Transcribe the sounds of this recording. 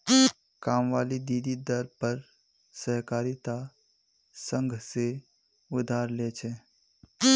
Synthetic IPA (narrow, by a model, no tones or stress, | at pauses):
kaːmʋaːlid̪iːd̪id̪əɾpəɾ | sɛɦkaːɾit̪a | sə̃ŋɡʱse | ʊd̪ʱaːɾleːt͡ʃʰeː